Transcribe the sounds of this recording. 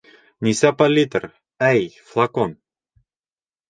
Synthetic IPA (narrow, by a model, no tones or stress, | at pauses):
nʲisapalʲit̪əɾ | æjflˠakon